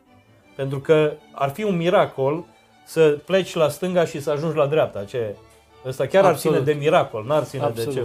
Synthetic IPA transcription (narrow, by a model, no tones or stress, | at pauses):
pe̞nt̪ɾukəa̰rfiunmiɾako̞l | səple̞t͡ʃʲlast̪ɨŋɡaʃisəaʒund͡ʒʲlad̪ɾeap̚t̪at͡ʃe̞ | əst̪akʲaɾart̪ined̪e̞miɾako̞lnuart̪sined̪et͡ʃe